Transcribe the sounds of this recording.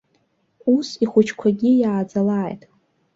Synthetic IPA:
usiχʷʊt͡ʃʰkʷʰaɡʲijaːd͡zalaːjtʼ

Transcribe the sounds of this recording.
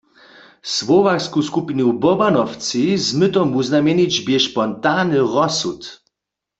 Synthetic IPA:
swɔvakskuskupinubɔbanɔwt͡sizmɨt̪ɔmuznamʲjɛnid͡ʑbjɛʃpɔnt̪anɨʁɔsut̪

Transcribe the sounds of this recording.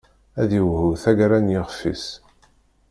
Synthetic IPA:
æðiwhuθæɡɾænjɪʁfːḭs

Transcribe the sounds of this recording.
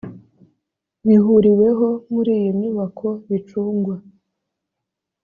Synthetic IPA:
βiɦuɾiwe̞ɦomuɾiːjimiβakʰo̞βit͡ʃuːŋɡwa

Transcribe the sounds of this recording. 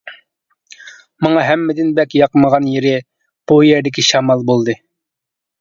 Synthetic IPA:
mɑŋɑɦɛmːɪd̪ɪnbɛkʲjɑqməʁɑnjeɾɪ | b̥ujɛɾd̪ɪkʲiʃɑmɑlˠbolˠd̪ɨ

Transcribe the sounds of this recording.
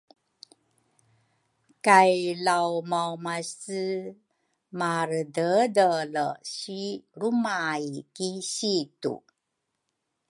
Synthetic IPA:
kajlawmawmasɨ | maɾədədələɕiɾumaikiɕitṵ

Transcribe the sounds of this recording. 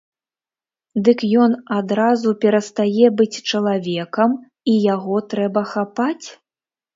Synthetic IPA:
d̪ɨkjɔnad̪ɾazupʲɛɾɐst̪ajɛbɨt͡sʲt͡ʂɐlˠavʲɛkɐm | ijaɣɔt̪ɾɛbɐxapat͡sʲ

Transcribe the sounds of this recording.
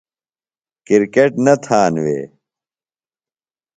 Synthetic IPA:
kiɾkeʈnɐt̪ʰaːnwḛː

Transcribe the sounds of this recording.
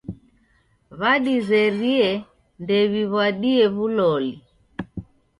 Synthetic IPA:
βaɗizɛɾiɛ | ndɛβiβwaɗiɛβulɔli

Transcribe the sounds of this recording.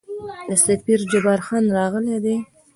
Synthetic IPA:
d̪əsapiɾd͡ʒabɑɾxɑnɾɑɣəled̪e

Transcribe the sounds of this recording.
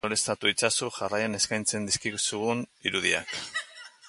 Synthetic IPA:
oɾest̪at̪uit͡sasuʝarajane̞skajnt͡se̞nd̪iskiɣusuɣuniɾuðia̰k

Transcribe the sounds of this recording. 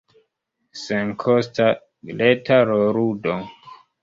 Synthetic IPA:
seŋkʰɔsta | letʰaɾoɾudo

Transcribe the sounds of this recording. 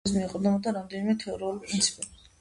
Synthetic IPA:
smiɛqʼɔd̪ɔmɔd̪aɾamd̪ɛnimɛt̪ʰɛɔɾɛulipʼɾint̪sʰi̥pʼɛbi

